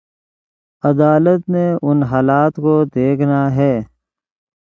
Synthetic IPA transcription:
ɐd̪aːlət̪meʊnɦaːlaːt̪kod̪eːkʰnaɦɛː

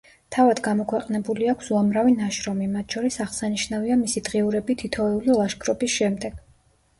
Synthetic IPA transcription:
t̪ʰavad̪ɡamɔkʰwɛqʼnɛbuliakʰsuamɾavinaʃɾɔmimat̪ʰʃɔɾisaʁsaniʃnaviamisid̪ʁiuɾɛbit̪ʰit̪ʰɔɛulilˠaʃɡɾɔbisʃɛmd̪ɛɡ̥

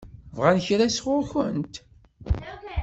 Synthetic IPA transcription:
vʁænçɾæsʁʊɾçənt̪

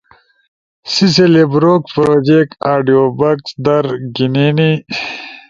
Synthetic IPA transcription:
sis̬elebɾoːkpɾoːd͡ʑek̚aːɖioːbɐksd̪ɐɾɡiniːni

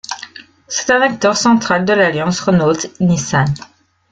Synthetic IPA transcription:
sɛ̥t̪ɛ̃nak̚t̪œʁsɑ̃t̪χald̪əlaljɑ̃sʁɔnot̪nisan

